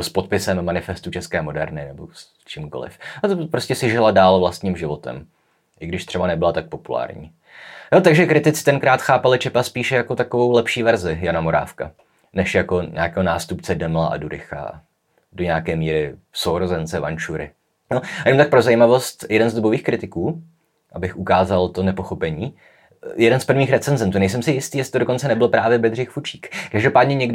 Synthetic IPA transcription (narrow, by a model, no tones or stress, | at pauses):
ospo̞t̪̚pɪsɛmːanɪfɛst̪ut͡ʃɛskɛːmo̞dɛɾnɪnɛbo̞̰s | t͡ʃɪmkolɪ̰fat̪opɾo̞scɛsɪʒɪladaːlvlast̪ɲiːmʒɪvo̞t̪ɛ̰m | ʔɪɡdɪʃt̪r̥ɛbanɛbɪlat̪ak̚po̞pula̰ːɾɲḭː | jot̪aɡʒɛkɾɪt̪ɪt͡sɪ̥t̪ɛnkɾaːt̪xaːpalɪt͡ʃɛpaspiːʃɛjako̞t̪akovo̞wlɛpʃiːvɛɾzɪjanamo̞ɾa̰ːfka̰ | nɛʃjako̞ɲʔa̰ːkɛːɦonaːst̪upt͡sɛdɛmɪla̰ʔa̰duɾɪ̰xa̰ | do̞ɲɛakɛːmiːɾɪfsowɾozɛnt͡sɛva̰nt͡ʃuɾɪ̰ | nojɛnomt̪ak̚pɾo̞zajiːmavo̞st̪jɛdɛnzduboviːxkɾɪt̪ɪkuː | ʔabɪxʔukaːzalt̪o̞nɛpo̞xo̞pɛɲiː | jɛdɛnspr̩vɲiːxɾɛt͡sɛnzɛnt̪uːnɛjs̬ɛmsɪjɪst̪iːjɛsɪ̥t̪odoko̞nt͡sɛnɛbɪlpɾaːvjɛbɛd̪r̝ɪxfut͡ʃi̥ːkkaʒdopaːdɲɛɲɛɡ